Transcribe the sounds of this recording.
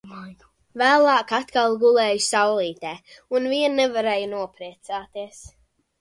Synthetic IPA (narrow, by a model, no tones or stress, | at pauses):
ajɡ | væːlˠɑːkat̪kalˠɡulɛːjusawlˠiːt̪ɛːunviɛnːɛvaɾɛːjunuɔpɾiɛt̪saːt̪iɛs